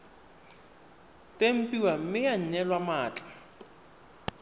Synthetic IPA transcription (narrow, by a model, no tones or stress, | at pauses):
tʼem̩pʼiwam̩mɪaɲ̩ɲɛlwamaːt͡ɬʼḁ